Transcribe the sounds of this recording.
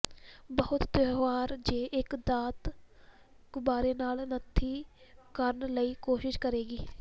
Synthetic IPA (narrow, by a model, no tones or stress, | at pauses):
bəɦʊt̪t̪eaːɾd͡ʒeːʔɪkd̪aːt̪ | kbaːɾeːnaːlnət̪ʰːiːkəɾnləiːkoːʃɪʃkəɾeːɡiː